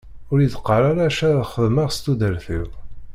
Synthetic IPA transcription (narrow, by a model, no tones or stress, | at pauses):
ʊɾjiðəqːəɾˤaɾaʃaɾaðχəðməʁst̪ud̪əɾθiw